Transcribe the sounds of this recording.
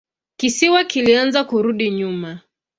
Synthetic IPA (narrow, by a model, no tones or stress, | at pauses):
kisiwakilianzakuɾuɗiɲuma